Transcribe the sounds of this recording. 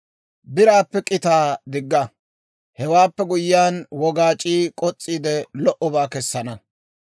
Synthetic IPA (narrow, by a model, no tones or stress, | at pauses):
bɪɾaːpːɛkʼɪt̪aːd̪ɪɡːɐ | hɛwaːpːɛɡʊjɪjaːnwɔɡaːt͡ʃʼiːkʼɔt͡sʼːiːd̪ɛlɔʔɔbaːkɛsːɐnɐ